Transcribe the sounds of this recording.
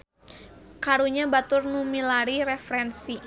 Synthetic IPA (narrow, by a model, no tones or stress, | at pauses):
kaɾuɲabat̪ʊrnumilaɾiɾɛfɾɛnsi